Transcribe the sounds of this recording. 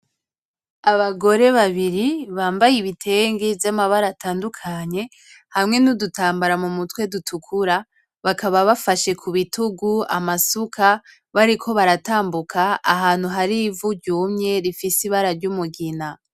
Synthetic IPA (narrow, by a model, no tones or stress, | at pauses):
aβaɡo̞ɾe̞βaβiɾiβaːmbajiβitʰe̞ːŋɡivjamaβaɾatʰaːndukʰaɲe̞ | hamŋe̞nudutʰaːmbaɾamumutwe̞dutʰukʰuɾa | βakaβaβafaʃe̞kʰuβituɡua̰masukʰa | βaɾikʰo̞βaɾataːmbukʰa̰ːɦaːn̥huɦaɾivuɾɟuːmɲe̞ɾifisiβaɾaɾɟumuɡina